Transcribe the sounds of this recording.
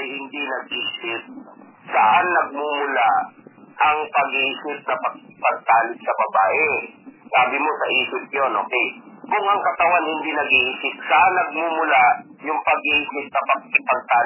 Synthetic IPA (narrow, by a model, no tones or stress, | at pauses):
ɐjhɪnd̪inɐɡ̚ʔiʔsɪt̪̚ | sɐʔanːɐɡ̚mumʊlaʔɐŋpɐɡisɪp̚nɐpɐkɪpɐɡ̚t̪aːlɪɡ̚sɐbɐbaːʔɛsaːbɪmo̞sɐʔiːsɪp̪̚jonʔoːkɛjkʊŋʔɐŋkɐt̪ɐwanhɪnd̪inɐɡiʔisɪt̪̚sɐʔanːɐɡ̚mumʊlajʊŋpɐɡʔiːsɪp̚nɐpɐɡ̚ɪpɐɡ̚t̪aːl